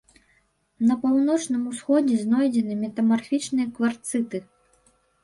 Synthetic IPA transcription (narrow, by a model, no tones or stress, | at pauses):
nɐpawn̪ɔt͡ʂnɨmusxɔd͡zʲɛznɔjd͡zʲɛnɨmʲɛt̪ɐmarfʲit͡ʂnɨjɐkvart̪sɨt̪ɨ